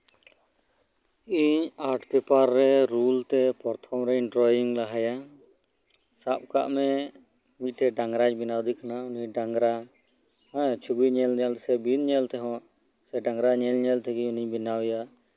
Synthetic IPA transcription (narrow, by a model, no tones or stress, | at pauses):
iɲaɾʈʰpɛpaɾːɛɾult̪ɛpɔɾt̪ʰɔmɾɛɛɳɖɾɔjiŋɡlaɦaja | sap̚ka̰ʔmɛ | miʈʰɛɖaŋɡɾaɲbinawd̪ikanauniɲɖaŋɡɾa | ɛt͡ʃʰubiɲɛlɛlsɛbinɲɛlt̪ɛɦɔ̃ | sɛɖaŋɡɾaɲɛlɲɛlt̪ʰɛɡiɲuniɲbinawja